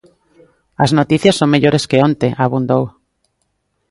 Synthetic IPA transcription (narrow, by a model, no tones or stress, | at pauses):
ɐznot̪iθjɐsːoŋmeʎoɾeskeont̪eʔaβund̪ow